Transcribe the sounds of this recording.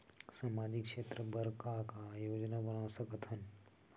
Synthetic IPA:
saːmaːd͡ʒikʃeːt̪ɾəbəɾkakajoːd͡ʒnabənasɐkət̪ɦən

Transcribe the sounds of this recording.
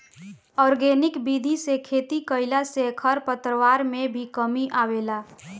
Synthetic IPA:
ɔɾɡenɪkbid̪ʱisekʰet̪ikəɪlasekʰəɾpət̪ɾəʋaɾmebʱikəmiʔawela

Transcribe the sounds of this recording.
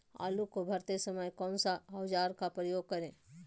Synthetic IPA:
a̰ːlukobʱəɾt̪esəməjkɔ̃ːnsaɦɐwd͡ʒaːɾkapɾəjoːɡ̚kəɾẽ

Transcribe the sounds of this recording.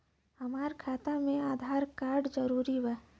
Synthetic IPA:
ɦəmaːɾkʰaːt̪amẽaːd̪ʱaːɾkaːɾɖd͡ʒəɾuːɾiʋɛː

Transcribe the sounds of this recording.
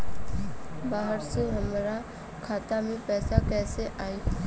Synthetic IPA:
baːɦəɾseɦəmɾa | kʰaːt̪amẽpɛːsakɛːseʔaːe

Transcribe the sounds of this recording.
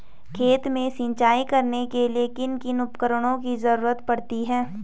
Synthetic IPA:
kʰeːt̪mẽsɪ̃ɲt͡ʃaːikɐɾnekeliekɪnkɪnʊpkəɾəɽ̃õkizɐɾuːɾət̪pɐɽt̪iɦɛː

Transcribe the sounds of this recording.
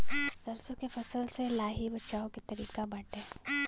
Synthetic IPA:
sɐɾsõkefɐsəlselaːɦibɐt͡ʃaːõkit̪ɐɾiːkabɐʈẽː

